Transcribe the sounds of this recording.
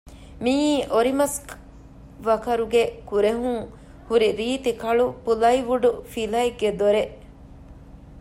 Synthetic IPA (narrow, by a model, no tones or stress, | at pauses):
miːʔoɾimɐsk | ʋɐkɐɾuɡekuɾeɦuŋ | huɾiɾiːt̪ikɐɭupulɐiʋuɖufilɐiɡːed̪oɾeʔ